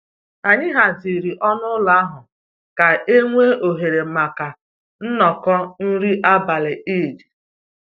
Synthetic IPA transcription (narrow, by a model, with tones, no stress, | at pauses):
a˨ɲɪ˦ɦa˨zi˨ɾi˨ʔɔ˦nʊ˦la˦a˦ɦʊ˨ | ka˨e˦ŋʷe˦o˨ɦe˨ɾe˨ma˨ka˨ | n̩˦nɔ˨kɔ˦n̩˦ɾi˦ʔa˦ba˨lɪ˨i˦˨di˨